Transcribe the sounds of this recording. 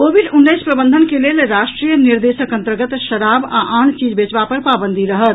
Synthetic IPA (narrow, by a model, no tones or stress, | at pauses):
kobiɖunːəjspɾəbənd̪ʱənkelelɾasʈɾijəniɾd̪esəkə̃nt̪əɾɡət̪ʃəɾaba̰ʔant͡ʃid͡ʒbet͡ʃbapəɾpabənd̪ʱiɾəɦət̪